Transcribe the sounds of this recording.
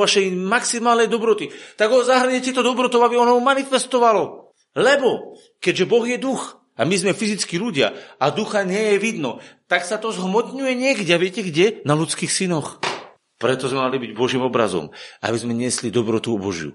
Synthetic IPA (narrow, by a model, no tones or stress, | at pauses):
ʋaʃɛjmaksimaːlnɛjd̪ɔbɾɔt̪it̪aɡɔzaɦr̩ɲɛtɪɛt̪ɔd̪ɔbɾɔt̪ɔʊabiɔnɔmumanifɛst̪ɔʋalɔ | lɛbɔ | kɛɟʒɛbɔɣjɛd̪ux | amizmɛfizit͡skiluɟɪa̰ad̪uxaɲɪɛjɛʋid̪nɔt̪aksat̪ɔzɦmɔt̪ɲujɛɲɪɛɡɟɛaʋɪɛcɛɡɟɛnalut͡skiːxsinɔx | pɾɛt̪ɔzmɛmalibiɟbɔʒiːmɔbɾa̰zɔ̰ma̰bizmɛɲɪɛslid̪ɔbɾɔt̪uɔbɔʒjṵ